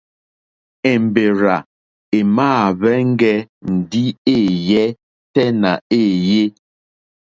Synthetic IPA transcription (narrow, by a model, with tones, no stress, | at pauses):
ɛ˨m̩˨be˨ɾa˨ | e˨maː˦˨βɛ˦ŋ̩˦ɡɛ˦n̩˨di˦e˦˨jɛ˦ | tɛ˦na˨e˦˨je˦